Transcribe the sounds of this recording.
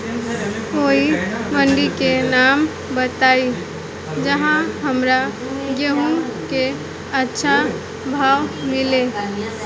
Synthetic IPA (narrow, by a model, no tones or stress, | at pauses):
oiməɳɖikenam | bət̪ai | d͡ʒəɦãɦəmɾa | ɡeɦũke | ətːʃʰa | bʱawmile